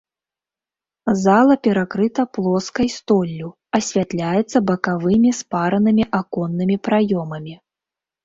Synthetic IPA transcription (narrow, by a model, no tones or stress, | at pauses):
zalˠɐpʲɛɾakɾɨt̪ɐplˠɔskɐjst̪ɔlʲːu | ɐsʲvʲat̪lʲajɛt̪sːɐbɐkavɨmʲispaɾɐnɨmʲiʔakɔnːɨmʲipɾajɔmɐmʲi